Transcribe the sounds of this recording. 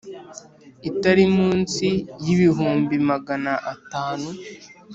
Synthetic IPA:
itaɾimuːnsijiβiɦuːmbimaɡanaʔataːnu

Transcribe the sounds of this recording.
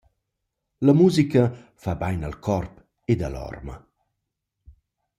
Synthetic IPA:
lɐmuːzikəfabajna̰lkʰɔrp | ed̪alɔ̰rmə̰

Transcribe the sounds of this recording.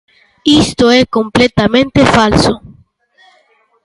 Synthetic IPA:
ist̪oekomplet̪amẽnt̪efalso

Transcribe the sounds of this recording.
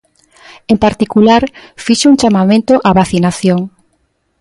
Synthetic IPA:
empaɾt̪ikulaɾfiʃeuŋt͡ʃamamẽnt̪oʔaβaθinaθjoŋ

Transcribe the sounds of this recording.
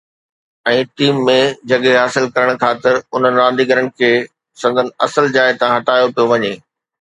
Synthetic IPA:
ɛ̃ːʈiːmːẽd͡ʑɐɠeɦaːsɪlkɐɾəɽ̃kʰaːt̪ɪɾʊn̤ənɪ̆ɾãːd̪iɡəɾəɽɪ̆kʰeː | sɐ̃nd̪ʱənɪ̆ɐsəld͡ʑaːɪt̪ãɦɐʈaːjopijoʋɐɲeː

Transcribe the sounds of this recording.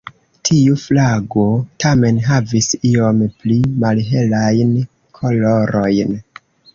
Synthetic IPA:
tʰiuflaɡotʰame̞nɦavisio̞mplimalɦe̞lajn | kʰo̞lo̞ɾo̞jn

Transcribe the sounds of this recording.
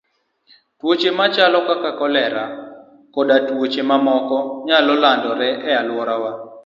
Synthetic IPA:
twot͡ʃemat͡ʃalɔkakakɔlɛɾa | kɔɗatwot͡ʃemamɔkɔɲalɔlandɔɾɛʔɛalwɔɾawa

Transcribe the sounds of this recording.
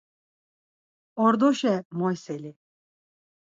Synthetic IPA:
ɔɾd̪ɔʃɛmɔjsɛli

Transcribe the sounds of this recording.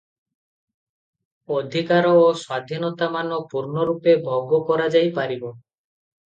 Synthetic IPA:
od̪ʱikaɾɔːswad̪ʱinɔt̪amanɔpuɾnɔɾupebʱɔɡɔkɔɾad͡ʒajpaɾibo

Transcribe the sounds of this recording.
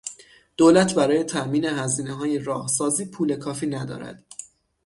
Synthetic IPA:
d̪̥oːlæt̪ʰbæɾɒːje̞t̪ʰæʔmiːne̞ɦæziːneɦɒːjeɾɒːhsɒːziːpʰuːle̞kʰɒːfiːnæd̪ɒ̰ːɾæ̰d̪̥

